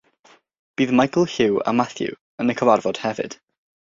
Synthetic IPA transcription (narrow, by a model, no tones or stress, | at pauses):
b̥iːðmajkʰəl̩ˠhɪwa̰maθjṵ | ənəkʰɔvarvɔd̥hɛvɨ̰d̥